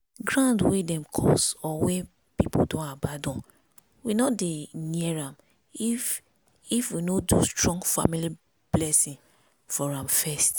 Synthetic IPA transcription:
ɡɹãndwedɛ̃mkʰɔ̰sɔwe | pipo̰dõnabadɔ̃n | winɔdeniɛɹãm | if | ifwinodustɹɔ̃ŋɡfa̰mili | b̥lɛsĩn | fɔɹãmfɛst

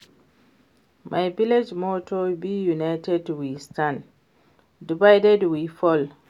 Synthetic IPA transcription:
mʔajviled͡ʒmɔtʰɔbijunajtɛdwistãn | divajdɛdwifɔl

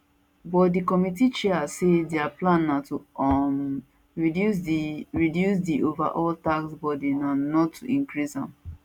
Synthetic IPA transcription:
bɔtdikɔmit̬it͡ʃɛasedɛaplãnːatu | sɹidjus̬diʔova̰ʔɔltaksbɔdinanɔtʰːuʔĩŋkɹisã̰m

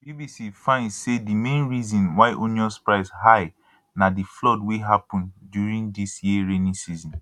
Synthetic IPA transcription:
bibisifãɪ̃ndsedimẽnɹizɔ̃nwaɪʔoniɔspɹaɪsɦaɪ | nadiflɔdweɦapɔ̃ndjuɹĩŋdisjiəɹenĩsizɔ̃n

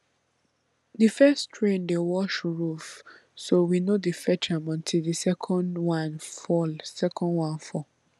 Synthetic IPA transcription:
difɛstʰɹẽndewɔʃɹuf | sowinodifɛt͡ʃʰãmɔ̃ntʰildisɛkʰɔ̃ndwãnfɔlsɛkʰɔ̃ndwãnfɔ

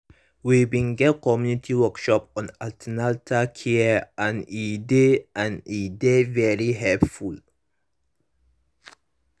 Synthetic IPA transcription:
wibĩnɡɛt̚kʰɔmjunitʰiwɔkʃɔpɔ̃naltʰənaltʰakʰeʔãnideãnidevɛɾiɦɛlpful

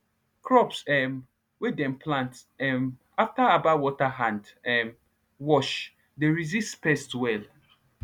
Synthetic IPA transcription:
kɹɔpsɛm | wedɛ̃mpʰlãnt | ɛm | aftaabawɔtaɦãndɛm | wɔʃ | deɹizistpɛstwɛl

